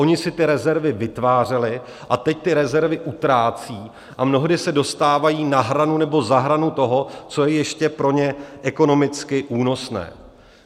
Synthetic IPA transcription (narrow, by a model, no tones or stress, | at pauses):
o̞ɲɪsɪt̪ɪɾɛzɛɾvɪvɪt̪vaːr̝ɛlɪ | ʔat̪ɛc̚t̪ɪɾɛzɛɾvɪʔut̪ɾaːt͡siː | ʔamno̞ɦdɪsɛdo̞st̪aːvajiːnaɦɾanunɛbo̞zaɦɾanut̪o̞ɦo̞t͡so̞jɛjɛʃcɛpɾo̞ɲɛʔɛko̞no̞mɪt͡skɪʔuːno̞snɛ̰ː